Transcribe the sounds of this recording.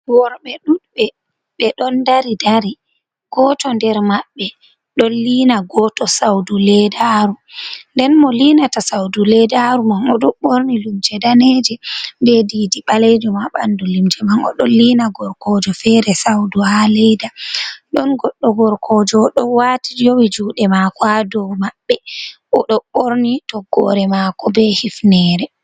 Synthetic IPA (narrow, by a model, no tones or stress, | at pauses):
wɔɾɓɛɗuɗɓɛ | ɓɛɗɔndaɾidaɾi | ɡ̥ɔtɔndɛɾmaɓːɛ | ɗɔnliːnaɡɔtɔsawdulɛdaɾundɛnmɔlinatasawdulɛdaɾumamɔɗɔɓoɾnilimd͡ʒɛdaned͡ʒɛndɛdidiɓalɛd͡ʒɔmaɓandulimd͡ʒɛmanɔ̰ɗɔlinaɡɔɾkɔd͡ʒɔfɛɾɛsawduhalɛjdaɗɔnɡɔɗːɔɡɔɾkʰɔd͡ʒɔɗɔwatid͡ʒowid͡ʒuːɗɛmakɔadɔmaɓːɛʔɔɗɔɓoɾnitɔɡɔ̰ɾɛmakɔbɛhifnɛːɾɛ